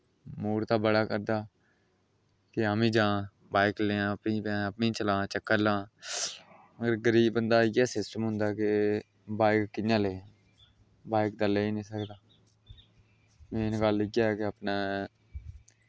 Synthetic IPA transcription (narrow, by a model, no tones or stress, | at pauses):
muːɾt̪aːbəɽaːkəɾd̪aː | kɪaːmĩːd͡ʒãː | baːɪkleːãːəpnĩːpːəpnĩːt͡ʃəlãːt͡ʃəkːəlãː | məɡəɾɡəɾiːbbənd̪aːɪjɛːsɪsʈəmɦʊ̃nd̪aːkɪ | baːɪkːɪjãːleːã | baːɪk̚d̪aleːiːnĩːsəkd̪aː | mɛ̃ːnɡəlːɪɡjaːɛːkɪəpnaː